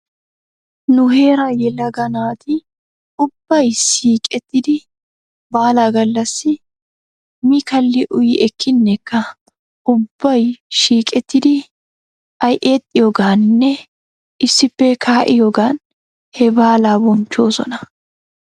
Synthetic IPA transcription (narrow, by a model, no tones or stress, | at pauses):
nʊɦe̞ːɾɐjɛlɐɡɐnaːt̪ʰɪ | ʊb̥ːɐjʃiːkʼɛt̪ːɪd̪ɪ | baːlaːɡɐlːɐsːɪ | mikɐlːɪʔʊjɪʔɛkʰːɪnːɛkːɐ | ʊbːɐjʃiːkʼɛt̪ːɪd̪ɪ | ɐjʔeːt̪ʼːɪjɔɡaːnnːɛ | ɪsːɪpːɛkʰaːʔɪjɔɡaːn | hɛbaːlaːbɔnt͡ʃːo̞ːsɔ̰nɐ